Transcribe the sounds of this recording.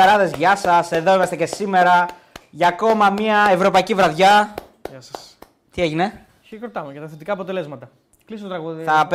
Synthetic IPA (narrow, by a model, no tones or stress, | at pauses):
ɐɾɐðe̞zʝɐsɐse̞ðo̞imɐst̪e̞ce̞sime̞ɾɐ | ʝɐːko̞mɐmɲiɐe̞vɾo̞pɐicivɾɐðʝɐ | s | t̪ieʝine̞ | iɣɾot̪ɐmeʝɐt̪ɐθet̪ikɐːpo̞t̪e̞le̞zmɐt̪ɐ | klisot̪ot̪ɾɐɣuθɐp